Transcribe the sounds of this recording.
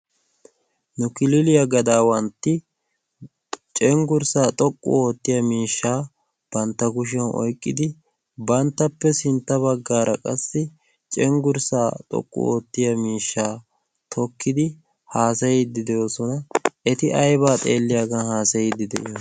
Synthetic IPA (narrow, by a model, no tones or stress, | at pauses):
nʊkɪlɪlɪjɐɡɐd̪aːwɐnt̪ːɪ | t͡ʃʼɛŋɡʊɾsaːt̪ʼɔkʼːʊ̰oːt̪ːɪjɐmiːʃːaː | b̥ɐnt̪ːɐɡʊʃ̬ɛnʔɔ̰jkʼːɪd̪ɪ | bɐnt̪ːɐpːɛsɪnt̪ːɐβɐɡːaːɾɐkʼɐsːɪ | t͡ʃʼɛŋɡʊɾsaːt̪ʼɔ̰kʼːʊ̰oːt̪ːɪjɐmiːʃːaː | t̪ʰɔkːɪd̪ɪ | haːsɐjɛd̪ːɪd̪ɛjoːsɔnɐʔɛt̪ɪʔɐjbaːt̪ʼeːlːɪjaɡɐhaːsɐjɛd̪ɪd̪ɛʔɪjo